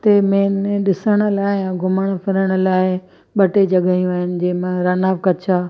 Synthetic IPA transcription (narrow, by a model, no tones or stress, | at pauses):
t̪emẽːnɗɪsəɽ̃ə̆laːɪjãːɡʱʊməɽ̃pɐɾəɽ̃ə̆laːɪ | ɓɐʈed͡ʑɐɠaːijũaːɦɪnɪ̆d͡ʑeːmãɾaːnaːʋkɐt͡ɕʰaː